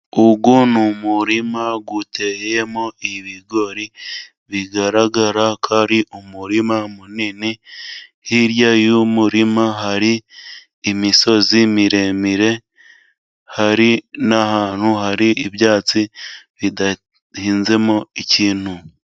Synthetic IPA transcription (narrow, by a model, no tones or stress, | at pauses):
uɡunumuɾimaɡutʰe̞jemoiβiɡo̞ɾi | βiɡaɾaɡaɾakʰaːɾiʔumuɾimamunini | hiɾjajumuɾimaɦaɾiː | miso̞zimiɾe̞miɾe̞ | haɾinahaːn̥huɦaɾiʔiβjaːt͡siβida | hiːnze̞mo̞iciːn̥hu